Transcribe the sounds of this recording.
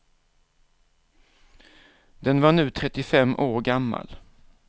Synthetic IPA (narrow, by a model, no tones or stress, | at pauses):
d̪ɛnvaɳʉ̟ːt̪ʰɾɛt̪ːɪfɛmːʔoːɾɡamːa̰l